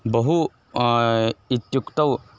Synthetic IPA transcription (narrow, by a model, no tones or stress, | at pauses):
bɐɦu | it̪jukt̪ɐw